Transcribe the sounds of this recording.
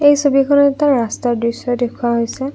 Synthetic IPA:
ejsobikʰɔnɔtaɹːastaɹdɹisɔjdekʰuwaɦojsɛ

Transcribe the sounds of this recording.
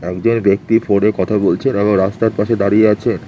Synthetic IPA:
ɛkd͡ʑonbek̚t̪ifoɽekɔt̪ʰabolt͡ɕʰeneboŋɾast̪aɾpaʃed̪aɾieat͡ɕʰen

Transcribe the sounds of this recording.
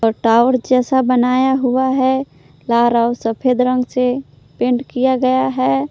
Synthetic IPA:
ɔːɾʈaːʋəɾd͡ʒɛːsabənaːjaɦʊaɦɛ | laːɾaʊsəpʰeːd̪ɾə̃ŋɡse | pẽɳʈkijaɡəjaɦɛː

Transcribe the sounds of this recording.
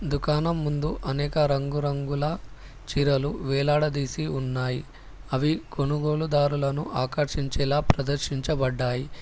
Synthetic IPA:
d̪ukaːnɐmːund̪uʔɐnɛːkɐɾɐŋɡuɾɐŋɡulɐ | t͡ʃiɾɐluʋɛːlaːɽɐd̪iːsiunːaːjḭ | ɐʋiko̞nuɡo̞ːɭud̪aːɾulɐnuʔaːkɐɾʂiɲt͡ʃɛːlaːpɾɐd̪ɐɾʃiɲt͡ʃɐbɐɖːaːji

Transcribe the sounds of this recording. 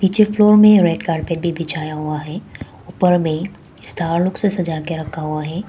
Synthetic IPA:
piːt͡ʃəɾfloːɾmẽɾeːɖkaːɾpebʱibʱɪt͡ʃʰaːjaɦʊaɦɛː | ʊpəɾmẽ | ɪst̪ʰaːɾlʊksesɐd͡ʒaːkeɾɐkʰaɦʊaɦɛː

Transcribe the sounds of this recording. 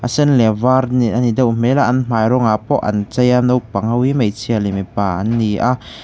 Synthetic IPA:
ʔəsɛnlɛvaːrniʔanidɐwm̥ɛlaʔɐnm̥aːjɾɔŋapɔʔɐ̰nt͡sɐjanɔwpɐŋhɐwimejt͡sʰiɐlimepaːʔɐ̰nːiʔa

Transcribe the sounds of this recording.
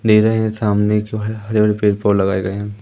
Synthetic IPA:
ɖeːɾɐeɦɛ̃saːmnekbʱbɐɽebʱɐɽepeːɾpɔːɾlɐɡaːeɡɐeɦɛ̃ː

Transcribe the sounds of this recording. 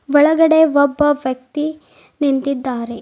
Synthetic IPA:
ʋɐɭɐɡɐɽeʋɔbːɐʋjɐk̚t̪i | nint̪id̪ːaːɾe

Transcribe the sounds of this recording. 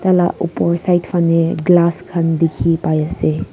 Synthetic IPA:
t̪ala̰upɔɾsajtfʰaneɡlaskʰɐnd̪ikʰipajase

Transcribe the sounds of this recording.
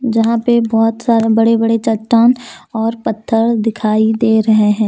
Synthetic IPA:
d͡ʒɐɦãpebɔːʊt̪saːɾebɐɽebɐɽet͡ʃɐʈːaːnɔːɾpɐt̪ʰːəɾd̪ɪkʰaːid̪eːɾɐɦeɦɛ̃ː

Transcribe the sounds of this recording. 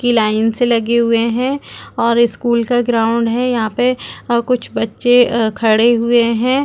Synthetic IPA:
kilaːɪnselɐɡeɦʊeɦɛ̃ːɔːɾɪskuːlkaɡɾaːʊ̃ɳɖɦɛ̃jɐɦãpɐkʊt͡ʃʰbɐtːʃekʰɐɽeɦʊeɦɛ̃ː

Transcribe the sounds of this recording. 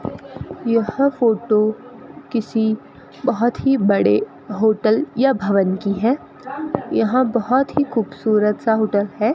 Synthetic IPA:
jɐhãfoːʈokɪsi | bɐɦɔt̪ɦibɐɽe | ɦoːʈəljabʱɐʋənkiɦɛː | jɐɦãbɐɦɔt̪ɦixuːbsuːɾət̪saɦoːʈəlɦɛː

